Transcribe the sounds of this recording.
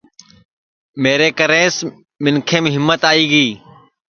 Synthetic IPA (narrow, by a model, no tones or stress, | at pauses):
meːɾeːkəɾẽːs | mɪnkʰẽːmẽːɦɪmːət̪aːiːɡiː